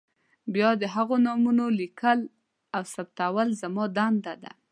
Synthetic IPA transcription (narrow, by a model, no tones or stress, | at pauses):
bjɑd̪əɦaɣonɑmunolikʰəl | awsab̚t̪awəlzamɑd̪and̪ad̪a̰